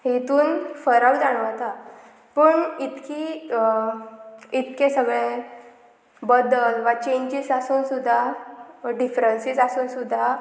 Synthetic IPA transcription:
ɦet̪uːnfəɾawd͡zaɽ̃uat̪a | pəːɳit̪kiː | it̪kẽsəɡɭẽ | bəd̪əlʋat͡ɕeɲd͡ʑisasuːnsud̪ʱːa | ɖifɾənsisasuːnsud̪ʱːa

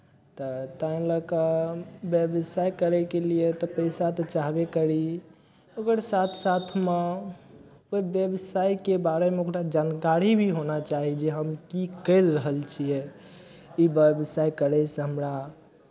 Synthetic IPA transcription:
t̪ɔt̪ãĩləkəbjəbsajkəɾɛkeliet̪ɔpəɪsat̪ɔt͡ʃaɦbekəɾi | okəɾsat̪ʰsat̪ʰme | oibjəbsajkebaɾemeokɾad͡ʒankaɾibʱiɦonat͡ʃaɦid͡ʒeɦəmkikəɪlɾəɦəlt͡ʃʰijɛ | ibjəbsajkəɾɛseɦəmɾa

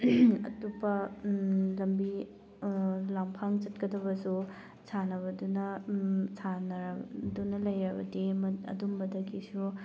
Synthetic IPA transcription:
ɐ̰tupɐ | lɐmbi | lampʰaŋt͡ʃɐtkɐdɐbɐsu | sʰanɐβɐdunɐsʰanɐɾɐdunɐlɐjɾɐbɐdemɐɐ̰dumbɐdɐkisu

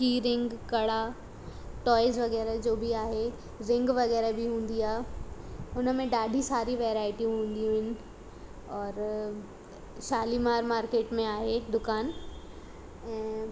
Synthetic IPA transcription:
kiːɾɪ̃ŋɡkɐɽa | ʈɔːɪzʋɐɣɛːɾad͡ʑoːbʱiaːɦe | ɾɪ̃ŋɡʋɐɣɛːɾabʱiɦũːn̆d̪iaː | ʊnəmẽɗaːɖʱisaːɾiʋɛːɾaːɪʈiũɦũːnd̪ijũɦɪnɪ̆ | ɔːɾ | ʃaːlimaːɾmaːɾkeːʈmẽaːɦed̪ʊkaːn | ɛ̃ː

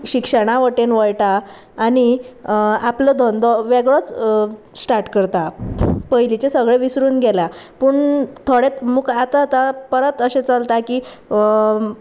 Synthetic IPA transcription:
ɕikʂəɽ̃aʋəʈenʋəjʈaː | ɽ̃i | apləd̪ʱɔnd̪ɔʋɛɡɭɔt͡s | sʈaɾʈkəɾt̪apəjlit͡ɕesəɡɭeʋisɾuːnɡʱɛlapuːɳt̪ʰoɽet̪muːɡat̪at̪apəɾət̪əɕet͡salt̪aki

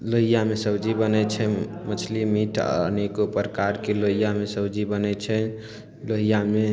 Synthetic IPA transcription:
loɦijamesəwd͡ʒibənɛt͡ʃʰɛmət͡ʃʰlimiʈʰə̰nekopəɾkaɾkeloɦijamesəwd͡ʒibənɛt͡ʃʰɛ | loɦijame

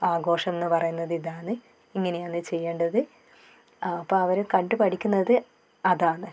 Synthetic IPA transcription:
aːɡo̞ːʂɐmenːɨpɐrɐjunːɐðiðaːɳɨ | iŋːɐneɐnːɨt͡ɕe̞jːeːɳɖɐðɨ | pːoɐʋɐɾkɐɳɖɨpɐʈʰikʲːunːɐðɨ | ɐðaːɳɨ

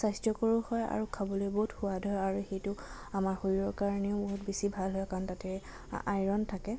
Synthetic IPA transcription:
sajstɔkoɹuhɔja̰ɹukʰabɔlojboɦutxʊwadʱɔjaɹuxejtʊ | amaɹxoiɹɔɹkaɹnɛʊboɦutbesibʱalɦɔjkʰɔntatɛ | a̰jɹɔntʰakɛ

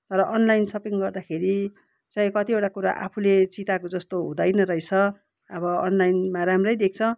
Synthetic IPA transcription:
t̪ʌɾʌʔʌnlajnsʌpiŋɡʌrd̪akʰeɾi | t͡sʌ̃kʌt̪ioʈakuɾa̰ʔa̰pʰulet͡sit̪akod͡zʌst̪oɦũd̪ʌjnʌɾʌjt͡sʰʌ | ʌbʌʌnlajnmaɾamrʌjd̪ek̚t͡sʰʌ

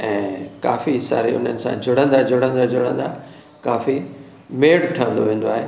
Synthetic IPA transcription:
ɛ̃ːka̰ːfisa̰ːɾiʊ̰n̤ənɪ̆sãd͡ʑʱʊɽə̃nd̪ad͡ʑʱʊɽ̤ə̃nd̪ad͡ʑʊɽə̃nd̪a | kaːfi | meːɽʈʰəə̃nd̪oʋẽːn̆d̪oaːɦeː

